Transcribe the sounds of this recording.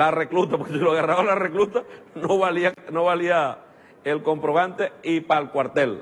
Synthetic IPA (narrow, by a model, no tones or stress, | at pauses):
lareklut̪ap̬okesiloaɣaraβalareklut̪anoβalianoβalia | elko̞mpɾo̞βant̪eipalkwaɾt̪el